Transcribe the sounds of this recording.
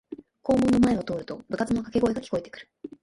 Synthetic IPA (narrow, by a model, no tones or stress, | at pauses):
ko̞ːmo̞nːo̞mae̞o̞t̪o̞ːɾɯ̟t̪o̞bɯ̟kat͡sɨno̞kake̞ɡo̞eɡakʲi̥ko̞et̪e̞kɯ̟ɾɯ̟̥